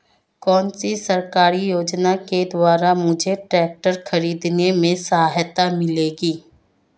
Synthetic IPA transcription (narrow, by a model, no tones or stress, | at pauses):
kɔːnsisɐɾkaːɾijoːd͡ʒnaked̪waːɾamʊd͡ʒʱeʈɾɛːk̚ʈəɾxɐɾiːd̪nemẽsɐɦaːɦjət̪amɪleːɡiː